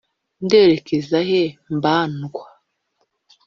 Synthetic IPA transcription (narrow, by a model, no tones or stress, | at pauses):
nde̞ːɾe̞kezaɦembaːnɡwa